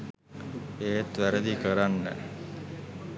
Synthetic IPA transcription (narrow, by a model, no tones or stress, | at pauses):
eːt̪ʋæɾəd̪ikəɾanːə̰